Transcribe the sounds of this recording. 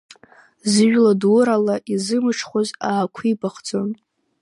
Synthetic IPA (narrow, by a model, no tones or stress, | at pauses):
zɨʒᶣladʊɾalaʔizɨmɨʈ͡ʂʰχʷozaːkʷʰibaχd͡zon